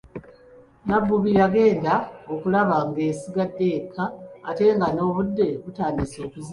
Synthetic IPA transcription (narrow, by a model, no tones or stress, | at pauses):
nabːuβiɾaɡe̞ːndao̞kulaβaŋɡe̞ːsiɡadːe̞kʰːaːte̞ŋɡano̞ːβudːe̞βutaːndiso̞ːkuz